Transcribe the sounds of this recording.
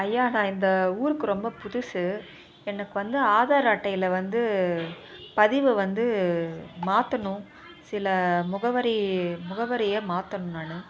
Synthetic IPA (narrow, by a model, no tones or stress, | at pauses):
ɐjːaːnãːɪnd̪ɐuːɾɯkːɯɾɔmbɐpʊðʊsɯ | ɛnːɐkːɯʋɐnd̪ɯaːðaːɾaːʈːɐjɪlɐʋɐnd̪ɯ | pɐðɪʋɯʋɐnd̪ɯ | maːt̪ːɐɳʊ̃ | sɪlɐmʊɣɐʋɐɾɐmʊɣɐʋɐɾɐjɐːmaːt̪ːɐɳɯnaːnɯ